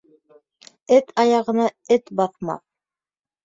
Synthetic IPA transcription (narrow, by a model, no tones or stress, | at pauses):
ɘt̪ʰɑjɑʁɤ̆nɑɘt̪bɑθmɑ̰θ